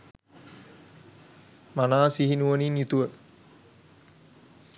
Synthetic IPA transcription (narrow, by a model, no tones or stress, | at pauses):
manaːsiɦinuʋəninit̪uʋə